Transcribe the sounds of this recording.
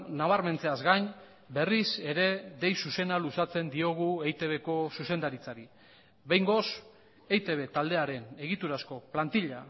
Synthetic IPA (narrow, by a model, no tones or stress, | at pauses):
naβ̞aɾme̞nt͡se̞azɡaɲ | be̞rise̞ɾe̞d̪e̞jsuse̞nalusat͡se̞nd̪io̞ɣ̞uejt̪e̞β̞e̞ko̞suse̞nd̪aɾit͡saɾi | βejŋɡo̞s | ejt̪e̞β̞e̞t̪ald̪e̞aɾe̞ne̞ɣ̞it̪uɾasko̞plant̪iʎa